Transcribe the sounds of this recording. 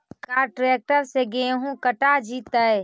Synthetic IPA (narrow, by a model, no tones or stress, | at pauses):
kaːɾʈɾek̚ʈəɾseɡeɦũkəʈad͡ʒit̪əj